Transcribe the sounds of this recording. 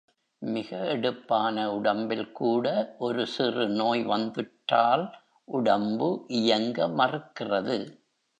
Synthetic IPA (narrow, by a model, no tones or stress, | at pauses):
mɪɣɐɛɽɯpːaːnɐʊɽɐmbɪlkuːɽɐʔɔɾɯsɪrɯnoːjʋɐnd̪ɯʈːaːl | ʔʊɽɐmbɯʔɪjɐŋɡɐmɐrɯkːɪrɐðɯ